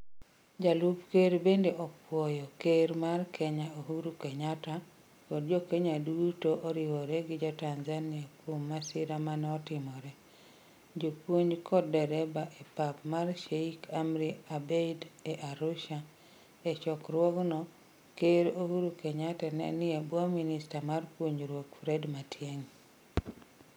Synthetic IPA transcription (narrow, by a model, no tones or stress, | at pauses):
d͡ʒalupkeɾbendeʔɔpwɔjɔkeɾmarkʰɛɲaoɦuɾukɛɲata | kɔdd͡ʒɔkɛɲadutoʔɔɾɪwɔɾɛɡɪd͡ʒɔtanzanɪapomːasɪɾamanɛɔtɪmɔɾɛ | d͡ʒopwoɲd͡ʒkʰɔdːɛɾɛbaʔepapmarʃeikʰamɾiabedɛʔaɾʊʃa | ɛt͡ʃɔkɾwɔɡnɔ | keɾohuɾukɛɲatɛnɛ̰nɪebwɔminɪstamarpwoɲɾwokfɾɛdmatjeŋ